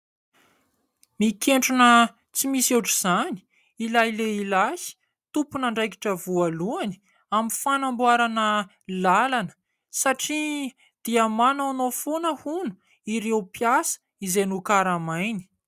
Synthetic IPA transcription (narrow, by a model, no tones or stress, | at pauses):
mikeɳʈ͡ʂunə | t͡simiseʈ͡ʂiz̥ani̥ | ilajleilahi̥ | t̪upunaɳɖ͡ʐajki̥ʈ͡ʂəvualuani̥ | amifanambwaɾanə | lalanə̥ | saʈ͡ʂi | d̪̥iamananofonəhunu̥ | iɾewpjasə̥ | izenukaɾamajni̥